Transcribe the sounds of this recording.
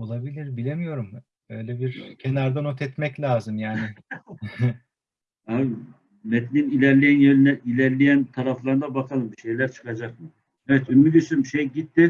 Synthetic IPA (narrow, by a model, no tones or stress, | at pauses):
o̞lˠabilʲiɾbilʲemijo̞ɾum | ø̞jlʲɛbiɾcʰenaɾd̪anot̪ʰɛt̪mɛclʲaːzɯmjaːnɪ | a | mɛt̪ʰininilʲæɾlʲijænjɛlʲnɛʔilʲæɾlʲijænt̪ʰaɾaflˠaɾɯnd̪abakʰalˠɯmbiʃe̞jlʲæɾt͡ʃʰɯ̥kʰad͡ʒakmɯ | ɛvɛt̪ynmid̪ysynʃejɟit̪ːɪ